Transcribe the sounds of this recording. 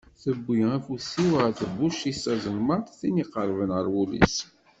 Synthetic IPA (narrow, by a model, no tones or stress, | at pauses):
θəbʷːiæfusiwəθəbuʃisæzəlmənt̪θiniqəɾˤvənʁəɾˤwulḭs